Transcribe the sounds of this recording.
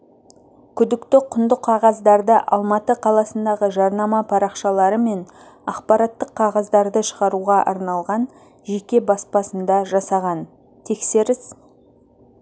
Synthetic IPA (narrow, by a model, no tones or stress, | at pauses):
kʲʰʏd̪ɪkt̪ɪqʰʊnd̪əqʰːɑʁɑzd̪ɑɾd̪əʔɑ̰lˠmɑt̪əqʰɑlˠɑsənd̪ɑʁəʒɑɾnɑmɑpʰɑɾɑqʃɑlˠɑɾəme̞n | ɑqpɑɾɑt̪ːəqʰːɑʁɑzd̪ɑɾd̪əʃəʁɑɾuʁɑʔɑ̰ɾnɑlˠʁɑn | ʒe̞kʲe̞bɑspɑsənd̪ɑʒɑsɑʁɑn | t̪ʰe̞kse̞ɾɪs